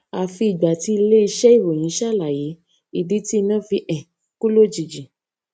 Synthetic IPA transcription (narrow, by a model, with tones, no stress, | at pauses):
a˧fi˧˦i˨ɡ͡ba˨ti˨˦i˧le˦i˧ʃɛ˦i˦˨wo˨j̃ĩ˨˦ʃa˦˨la˨ji˨˦ | i˦˨di˨˦ti˦˧nã˦˨fi˧ʔɛ̃˨ | ku˦lo˦˨d͡ʒi˨d͡ʒi˨